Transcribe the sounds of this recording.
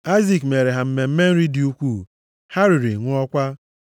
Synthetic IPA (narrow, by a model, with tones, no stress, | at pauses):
a˦ɪ˦zi˨kme˨ɾe˨ɦa˨m̩˦me˨m̩˦me˦n̩˦ɾi˦di˨u˦kʷu˦˨ | ha˦ɾi˨ɾi˨ŋʷʊ˦ɔ˦kʷa˦